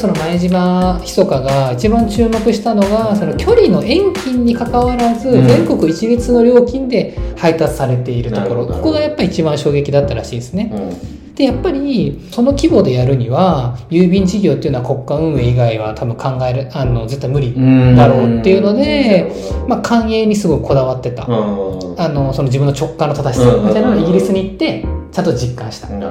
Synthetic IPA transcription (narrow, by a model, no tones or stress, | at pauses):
so̞no̞maeʑimaçi̥so̞kaɡait͡ɕibãɲt͡ɕɨːmo̞kɯ̟ɕi̥t̪ano̞ɡaso̞no̞kʲʰo̞ɾʲino̞ʔẽ̞ŋkʲĩɲ̟ːikakaβaɾazɨd͡zẽ̞ŋko̞kɯ̟it͡ɕiɾʲit͡sɨno̞ɾʲo̞ːkʲĩnd̪e̞hait̪at͡sɨ̥saɾe̞t̪e̞iɾɯ̟t̪o̞ko̞ɾo̞ko̞̥ko̞ɡajapːaiit͡ɕibãɰ̃ɕo̞ːɡe̞kʲid̪at̪ːaɾa̰ɕiːd̪esɨne̞ | d̪̥e̞japːaɾʲiso̞no̞kʲibo̞ːd̪e̞jaɾɯ̟ɲ̟iβajɯ̟ːbʲĩɲ̟d͡ʑiɡʲo̞ːt̪ejɯ̟noako̞kːaɯ̟̃ɰ̃e̞ːiɡaiβ̞at̪ʰabɯ̟̃ŋkʰãŋɡaeɾɯ̟ano̞d͡zɨt̪ːamɯ̟ɾʲid̪aɾo̞ːt̪ːe̞jɯ̟no̞d̪e̞ | makʰãɰ̃e̞ːɲ̟isɨɡo̞kɯ̟̥kʰo̞d̪aβat̪ːe̞t̪a̰ | ano̞so̞no̞d͡ʑibɯ̟nːo̞t͡ɕo̞kːãnːot̪ad̪aɕi̥samit̪anooiɡʲiɾʲisɨɲ̟iːt̪ːe̞t͡ɕãnt̪od͡ʑikːãɰ̃ɕi̥t̪ḁ